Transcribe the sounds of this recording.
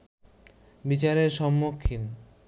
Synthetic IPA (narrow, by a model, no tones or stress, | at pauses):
bit͡ɕaɾeɾʃɔmːokʰːin